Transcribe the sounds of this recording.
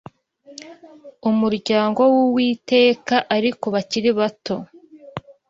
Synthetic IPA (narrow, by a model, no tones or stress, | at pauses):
umuɾɟaːŋɡo̞wuwiːte̞ːkaʔaɾiko̞βaciɾiβato̞